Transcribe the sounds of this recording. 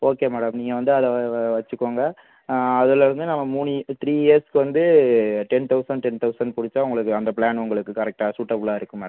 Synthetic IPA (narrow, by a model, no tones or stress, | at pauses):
oːkeːmɛːɽɐmniːŋɡɐʋɐnd̪ɯɐðɛʋɐt͡ʃːɯkːoːŋɡɐ | ɐðɯlɐɾɯnd̪ɯnɐmːɐmuːnit̪ɾiːeːskɯʋɐnd̪ɯʈɛnt̪ɐʊsɐɳɖʈɛnt̪ɐʊsɐɳɖ̚pʊɽɪt͡ʃːãːʊŋɡɐɭɯkːɯɐnd̪ɐplaːnʊŋɡɐɭɯkːɯkɐɾɛk̚ʈaːsuːʈːɐpːlaːɪɾɯkːɯmɛːɐɐm